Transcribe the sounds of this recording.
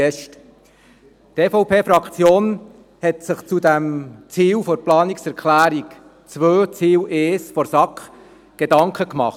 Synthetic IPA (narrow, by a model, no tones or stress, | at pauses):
ɛʃt | tɛfɔʊpʰeːfɾɑkt͡sjoːn | hɛtsɪχt͡sudæmt͡siːwfɔɾplɑːniksɛɾkχlæːɾik | t͡sʋøːt͡siːwʔeːsfɔɾsɑkχ | ɡ̥edɑŋkχəkmɑ̰χ